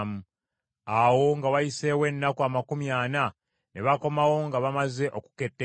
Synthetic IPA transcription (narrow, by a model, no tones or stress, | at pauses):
mu | awo̞ŋɡawajise̞we̞nːakuamakumjaːna | ne̞βako̞mawo̞ŋɡaβamaze̞ʔo̞ku̥ke̞tːe